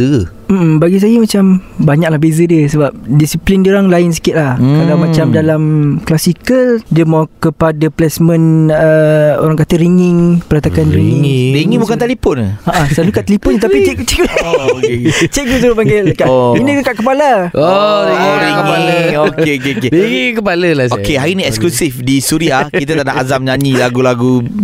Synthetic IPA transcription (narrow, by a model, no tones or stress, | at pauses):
ə | m̩baɡis̬ajəmat͡ʃambaɲak̚lahbezədiəsəbap̚disiplindioɾaŋlaɪns̬i̥kɪt̪̚lahkalawmãt͡ʃamdalamklasikəldəmawkəpadaplɛsmə̃nəo̰ɾaŋkat̪əɾiŋɪŋpəɾat̪akanɾiŋĩŋɾiŋĩŋbukant̪alepɔnaʔasanukaʔt̪əlipʊnɲit̪apit͡ʃɛʔɡut͡ʃeʔkt͡ʃeʔɡus̬uɾupaŋelkainəəkaʔkəpala | oiiŋkəpaləkeokeokeiŋikəpaləlaokeɦaɾinĩɛksklusifdisuɾiakit̪at̪aʔdaʔazamɲãɲilaɡulaɡu